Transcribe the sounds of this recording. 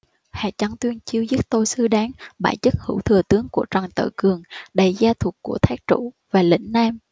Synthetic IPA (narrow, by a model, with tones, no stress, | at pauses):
ha̰ː˧˨˩t͡ɕa˨˦nt̪wi˧ənt͡ɕi˧əwzi˦˥t̚t̪o˧jsɨ˧˦ɗaː˨˦nɓa̰ː˧˩jt͡ɕə˦˥t̚hɨ̰˧˥˩wt̪ʰɨ˨˩ət̪ɨ˨˦əŋku˧˩ət͡ɕa˨˩ŋt̪ɨ̰ː˧˩kɨ˨˩əŋɗə˨˩jzaː˧t̪ʰu˨˩ət̚ku˧˩ət̪ʰaː˦˥k̚t͡ɕṵ˧˥ | vaː˨˩lḭ̈˧˥ŋ̟naː˧m